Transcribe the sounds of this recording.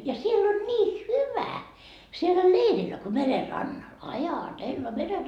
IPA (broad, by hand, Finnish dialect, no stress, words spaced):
jɑ sielː olʲ niː hyʋæ sielːæ leirilːæ ko mere rɑnːɑl ɑjɑtelːɑ mere